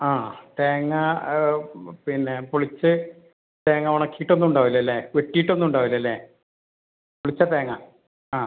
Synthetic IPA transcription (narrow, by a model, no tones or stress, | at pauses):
aːt̪eːŋːɐ | pinːe̞puɭit͡ɕːɨ | t̪eːŋːɐʋuɳɐkːijiʈːo̞nːuɳɖaːʋilːɐlːeːʋeʈːijiʈːo̞nːuɳɖaːʋilːɐlːe | puɭit͡ɕːɐt̪eːŋːɐ | aː